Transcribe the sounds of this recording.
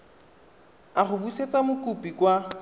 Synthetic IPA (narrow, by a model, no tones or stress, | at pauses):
aχʊbuset͡sʼamʊkʼupʼikwa